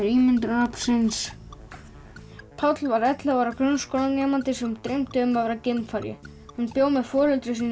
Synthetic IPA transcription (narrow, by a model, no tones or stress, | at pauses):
ɾiːmɪnt̪ɾapsɪns | pʰawt̪lvaɾɛt̪lavaɾakɾœnːskowlanɛːmant̪ɪsɛmt̪ɾejm̥t̪ʏʏmavɾacɪmfaɾjɪ̰hanpjoːwmɛðfɔːlʏlt̪ɾʏs̬iːn